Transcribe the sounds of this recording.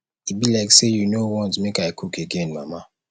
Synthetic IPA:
it̚bilaɪksejunowɔ̃ntmekaɪkʰukʰeɡẽnma̰ma

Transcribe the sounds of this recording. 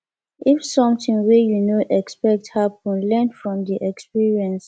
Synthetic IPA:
ʔifsɔ̃mtĩŋwijunoʔɛkspɛk̚thap̚ɔ̃nlɛnfɹɔ̃mdiʔɛkspiɹiɛ̃ns

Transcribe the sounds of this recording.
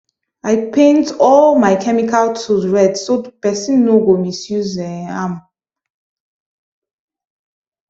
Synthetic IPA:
aɪpʰẽntɔlmaɪkʰɛmikʰaltʰuɹɛdsopɛsĩnːoɡomisjuzɛ̃ãm

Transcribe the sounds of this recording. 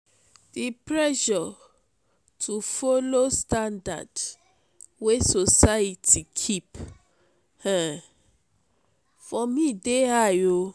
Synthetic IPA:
d̥ipɹɛʃɔ | tʰufɔlostãnda̰d | wesosajitʰikʰip | hɛ̃ | fɔmĩdeajo

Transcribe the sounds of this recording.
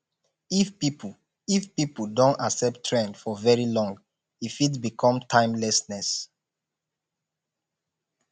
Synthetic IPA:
ifpip | ifpipudõntaksɛp̚tʰːɹɛ̃ndfɔvɛɹilɔ̃ŋɡ | ifit̬bikʰɔ̃mtʰãɪ̃mlɛsnɛs

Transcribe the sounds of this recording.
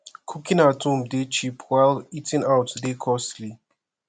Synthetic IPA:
kʰukĩnatʰũmdet͡ʃipʰwaɪlitĩnawtdekʰɔsli

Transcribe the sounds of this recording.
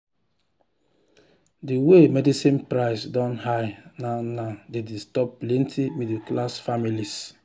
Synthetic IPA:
diwemɛdisĩnpɾaɪsdɔ̃nhajnanadedistɔplɛ̃ntʰimidiklasfamilis

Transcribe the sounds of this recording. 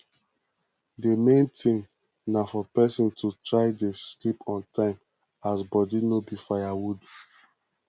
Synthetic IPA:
demẽntʰĩŋ | nafɔpɛsɔ̃ntutɹaɪdeslipʰɔ̃ntãɪ̃m | asbɔdinobifajawud

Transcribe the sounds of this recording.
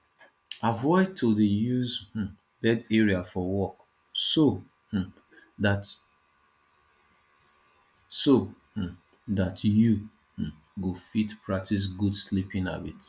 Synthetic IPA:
avɔɪd̚tʰodejuzh̩ | bɛdɛɹiafɔwɔk | so | h̩ | dat | so | h̩ | ðatju | h̩ | ɡufitpʰɹak̚tʰis̬ɡudslipĩŋa̰bit

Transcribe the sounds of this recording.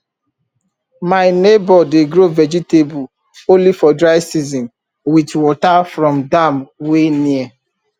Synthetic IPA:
maɪnebɔdeɡɾovɛd͡ʒitebu | õnlifɔdɾaɪsizɔ̃n | witwɔtafɾɔ̃mdamweniɛ

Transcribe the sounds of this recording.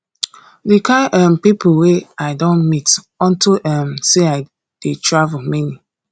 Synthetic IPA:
dikaɪʔɛmpipʊweaɪdɔ̃nmit | ɔ̃ntuʔɛmseaɪ | d̥etʰɹavəmini

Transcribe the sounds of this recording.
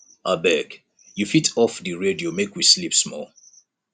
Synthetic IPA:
abɛɡ | jufitʰɔfdiɹediomekwislipsmɔ̰l

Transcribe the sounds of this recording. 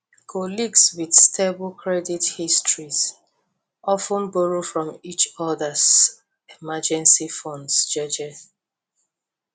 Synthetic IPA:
kʰɔliɡswidstʰeblkʰɹɛdithistɹiz | ɔfə̃nbɔɹofɹɔ̃mit͡ʃɔðəz | emad͡ʒɛ̃nsifɔ̃ndsd͡ʒɔd͡ʒɛθ

